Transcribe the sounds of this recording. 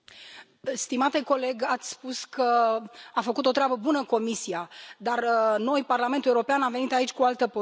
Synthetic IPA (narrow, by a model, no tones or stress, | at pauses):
st̪imat̪e̞ko̞le̞ɡat̪sʲspuskəafəkut̪o̞t̪ɾeabəbunəko̞misiad̪arəno̞jparlame̞nt̪uleuɾo̞peanamvenit̪ait͡ʃʲkualt̪əpo